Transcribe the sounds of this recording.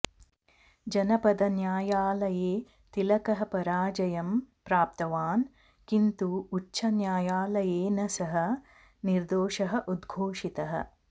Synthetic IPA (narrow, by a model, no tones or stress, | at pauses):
d͡ʒɐnɐpɐd̪ɐnjaːjaːlɐjeː | t̪ilɐkɐɦɐpɐɾaːd͡ʒɐjɐmpɾaːp̚t̪ɐʋaːn | kint̪uːt͡ʃːʃʰɐnjaːjaːlɐjeːnɐsɐɦɐ̆ | niɾd̪oːʃɐɦɐ̆ʔud̪ɡʱoːʂit̪ɐɦɐ̰